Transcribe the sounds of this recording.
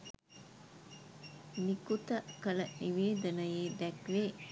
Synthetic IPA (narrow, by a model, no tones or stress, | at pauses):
nikut̪əkələniʋeːd̪ənəjeːd̪ɛkleː